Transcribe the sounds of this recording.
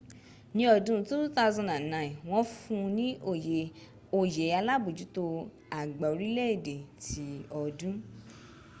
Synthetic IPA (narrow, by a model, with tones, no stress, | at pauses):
nĩ˧˦ɔ˧dũ˦tu˦ta˦˧zɔ̃˧nda˨n˨nã˨˧˨ĩ˨w̃ɔ̃˦fũ˧nĩ˦o˨ | o˨je˨˦a˧la˦bu˨d͡ʒu˨˦to˧ | a˨ɡ͡ba˨o˨˧ɾi˦lɛ˦e˦˨de˨tʰi˨˦ɔ˧dũ˦